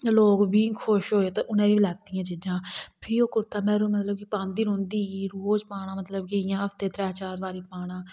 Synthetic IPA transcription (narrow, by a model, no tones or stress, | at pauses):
loːkbiːkʰoʃɦoːeːt̪oʔʊnẽːbiːlɛːt̪ijãːd͡ʒɪd͡ʒãːpʰiːoːkʊɾt̪aːmɛ̃ːɾuːmət̪ləbkipãːnd̪iːɾõːnd̪iːiːɾuoːd͡ʒpaːɽ̃ãːmət̪ləb̚keːɪjãːəft̪eːt̪ɾɛːt͡ʃaːɾʋaːɾiːpaːɽ̃ãː